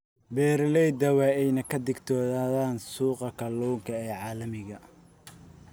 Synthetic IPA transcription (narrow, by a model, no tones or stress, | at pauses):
bɛːɾlɛjd̪ɐwɑːɛjnɐkʰɐd̪ɪɡt̪ʰɔːðaːðaːnsuːqɐkʰɐlɔːŋkʰɐɛːʕɑːlɐmɪɣɐ